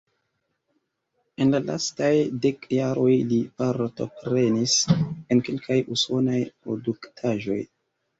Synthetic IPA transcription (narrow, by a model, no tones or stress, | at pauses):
e̞nlala̰stajdekjaɾo̞jlipaɾto̞̰pɾe̞nise̞nke̞lkʰajuso̞najpɾo̞̰duktʰaʒo̞̰j